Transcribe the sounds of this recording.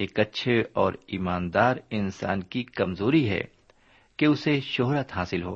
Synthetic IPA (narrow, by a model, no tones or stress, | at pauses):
eːkɐtːʃʰeɔːɾiːmaːnd̪aːɾɪnsa̰ːnkikɐmzoːɾiɦɛ̰ | keʊseʃoɦɾət̪ɦaːsɪlɦo̰ː